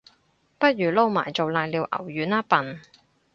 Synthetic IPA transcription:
pɐ˥t̚jyː˨˩lo˥wmaː˨˩jt͡so˨wlaː˧jliː˨˧wʔɐ̰˨˩wjyː˨˥naː˥pɐ˨n

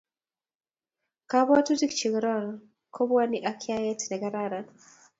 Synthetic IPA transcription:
ka˦βwa˦tu˦ti˦kt͡ʃi˨ɣɾɔ˦ɾ | kʰɔ˦βwa˦ni˦ʔa˦kʰia˦jɛ˦tnɛ˨ɡa˨ɾa˦ɾa

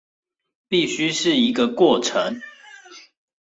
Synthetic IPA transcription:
pi˥˨ɕy˦ʂɻ̩˥˨i˨˦ɡə˨kwɔ˥˩ʈ͡ʂʰə˨˦ŋ

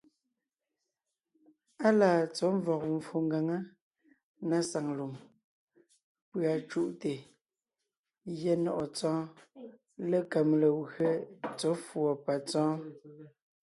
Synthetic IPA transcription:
a˦laː˨t͡so˨˦ɱ˦vɔ˨k̚ɱ̩˨fu˨ŋɡa˨ŋa˦ | na˦sa˨ŋlu˨m | pɰa˨t͡ʃu˦ʔte˨ | jɛ˦nɔ˨ʔɔ˨t͡sɔ̃ː˦ | lə˦˨ka˨mlə˨ɣɰə˦t͡so˨˦fwɔ˨pa˨t͡sɔ̃ː˦

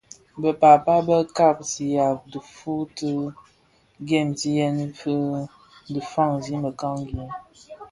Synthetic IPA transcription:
bə˨pa˨pa˦bə˦ka˦˨p̚si˨ja˨p̚du˨fu˦tə˦ | ɡɛ˦˨mti˦jɛ˦n˦fə˦ | də˨fa˦˨ŋzi˦mə˨ka˦ŋ˦ɡu˨˦ŋ

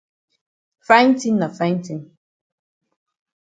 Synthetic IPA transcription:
fã˦nti˦nːa˨fa˦jn˦ti˨n

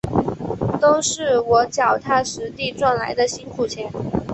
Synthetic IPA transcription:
t̪o˥ʊʂɻ̩˥˩wɔ˧˥t͡ɕjɑ˨˩ʊt̪ʰa˥ʂɻ̩˧˥t̪i˥˧ʈ͡ʂwa˥˩nla̰˧˥ɪd̪ə˧ɕi˥nkʰu˨˩t͡ɕʰjɛ˧˥n

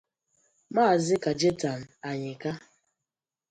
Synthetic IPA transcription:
maː˦˨zɪ˦ka˨d͡ʒe˦ta˨n˨a˨ɲɪ˨ka˦

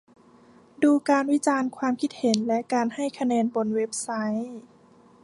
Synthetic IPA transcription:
duː˧kaː˧nwi˦˥t͡ɕaː˧nkʰwaː˧mkʰi˦˥t̪̚he˩˦nlɛ˦˥ʔkaː˧nha˥˩jkʰa˧nɛː˧nbo˧nwe˦˥p̚sa˦˥j

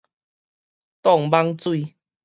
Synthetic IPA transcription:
t̪ɔ˥˨ŋba˦ŋt͡swi˥˧˨

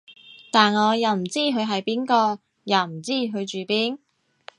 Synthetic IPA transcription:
t̪aː˨nŋɔː˨˧jɐ˨˧wm̩˨˩t͡siː˥ɦɵ˨˧ɥɦɐ˨jpiː˥nkɔː˧ | ja˨˧wm̩˨˩t͡siː˥ɦɵ˨˧ɥt͡ʃyː˨˧piː˥n

